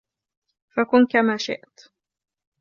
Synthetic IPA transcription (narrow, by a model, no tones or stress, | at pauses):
fakʊnkamaːʃɪ̰ʔt̪